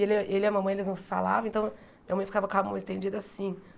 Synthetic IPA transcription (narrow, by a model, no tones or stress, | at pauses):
elʔelɪɐmɐ̃mɐ̃j̃elɪznɐ̃w̃sɪ̥fa̰la̰vɐ̃w̃ẽt̪ɐ̃w̃ | mĩɐmɐ̃j̃fi̥kavɐkavɐ̃mũẽst̪ẽd͡ʒid̪ʊasĩ